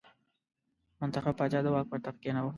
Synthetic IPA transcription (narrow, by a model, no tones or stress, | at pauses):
mʊnt̪axab̚pːɑd͡ʒɑd̪əwɑk̚pət̪afkenawo